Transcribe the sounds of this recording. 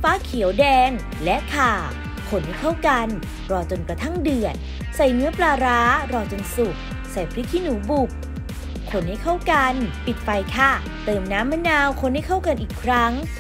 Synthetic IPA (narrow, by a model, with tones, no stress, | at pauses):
faː˦˥kʰi˨˩˦wdɛː˧ŋ | lɛ˦˥ʔk̪ʰaː˨˩ | kʰo˧nha˥˩jkʰa˥˩wka˧n | ɾɔː˧t͡ɕo˧nkɾa˧t̪ʰa˥˩ŋdɯ˨˩ət̪̚ | sa˨˩jnɯ˦˥ɐplaː˧ɾaː˦˥ɾɔː˧t͡ɕo˧nsu˨˩k̚ | sa˨˩jpʰɾi˦˥kʰiː˥˨nuː˩˦bu˨˩k̚ | kʰo˧˦nha˥˩jkʰa˥˩wka˧npi˨˩t̪̚fa˧jt̪ʰa˧˥˩ | t̪ɤː˧mnaː˦˥mːa˧˥naː˧wkʰo˧˥nha˥˩jkʰa˥˩wka˧nʔiː˨˩kʰɾa˦˥ŋ